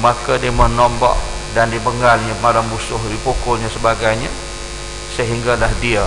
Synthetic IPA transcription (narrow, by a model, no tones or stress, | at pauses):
makadiəmənɔmba̰ʔdandiəbəŋɡalɲamalambusʊɦdipokʊlɲasəbaɡajɲa | səɦiŋɡalahdia